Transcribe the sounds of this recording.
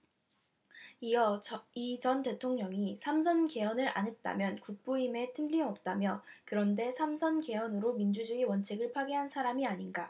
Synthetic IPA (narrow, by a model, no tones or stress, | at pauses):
iʌit͡ɕʌnte̞tʰoŋɲʌŋisʰams̬ʰʌnke̞ʌnɯɾʔa̰nɦet̚t͈a̰mjʌnkuk̚p͈oime̞tʰɯmɾimʌp̚t͈amjʌkɯɾʌnde̞sʰamsʰʌnke̞ʌnɯɾomind͡ʑud͡ʑuiwʌnt͡ɕʰiɡɯɭpʰwaɡiɦansʰaɾamiaɲinɡa